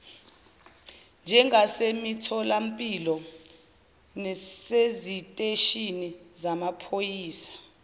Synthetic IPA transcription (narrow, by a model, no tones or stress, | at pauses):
nd͡ʒʱɛŋʱasemitʰɔlam̩pʼilɔ | nɛsezitʼeʃinizamapʰojiːsḁ